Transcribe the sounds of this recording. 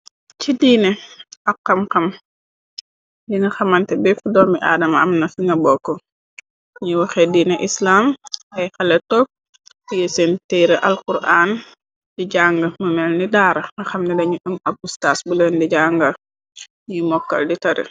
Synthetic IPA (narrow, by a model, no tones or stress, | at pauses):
cidiːnɛʔɐqːɐmxɐm | diŋɐxɐmɐntɛbɛfudɔːmiʔa̰ːdɐmɐɐmnɐfiŋɡɐbɔːkːɔ | ɲiwɐxɛdiːnɛʔislaːmɐjxɛlɛtɔp̚ | ijesentɛːɾɐʔɐlkuɾʔaːn | diɟaːŋɡɐmɐmɛlnidaːɾɐŋɐxɐmnɛdɐɲuʔɐmɐb̚ustasbulɛndiɟaːŋɡɐ | ɲimɔkːɐ̰lditɐɾḭ